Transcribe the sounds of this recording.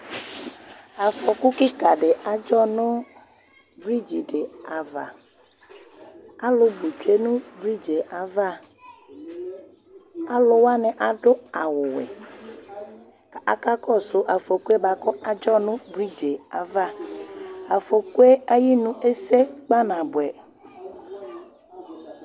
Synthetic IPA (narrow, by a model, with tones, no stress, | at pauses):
a˨fɔ˨ku˦ki˦ka˨ɖe˨a˨d͡ʒɔ˦nʊ̃˦ | bɾi˦d͡ʒi˨ɖe˨a˨va̰˨ | a˦lʊ˦bu˨t͡ʃe˦nũ˦bɾi˦d͡ʒe˨ʔa˨va˦˨ | a˦lʊ˨wa˦nɛ˨ʔa˨ɖʊ˦a˨wʊ˨wɛ̰˨ | ka˨a˨ka˦kʰɔ˦sʊ˦ʔa˨fo˨ku˦e˦ba˨kɔ˦ʔa˨d͡ʒɔ˦nʊ̃˦bɾi˦d͡ʒe˨a˨va˦˨ | a˨fo˨ku˦ɛ˦a˦ji˦nũ˦e˦sɛ˦k͡pa˦nã˨bʊ˨ɛ˨